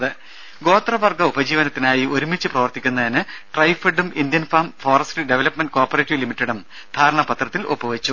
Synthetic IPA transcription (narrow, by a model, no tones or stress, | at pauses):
ðɨ | ɡo̞ːt̪rɐʋɐrɡɐubɐd͡ʑiːʋɐnɐt̪ːinaːjio̞ɾumit͡ɕːɨprɐʋɐrt̪ikʲːunːɐðinɨʈrɐjfeɖumind̪jɐnfaːmfoːrɐsʈiɖeʋɐlɐpmeɳɖɨko̞ːrpːɐreːʈːiʋlimiʈːeɽum | d̪ʱaːɾɐɳɐpɐt̪rɐt̪ːilʔopːɐʋɐt͡ɕːu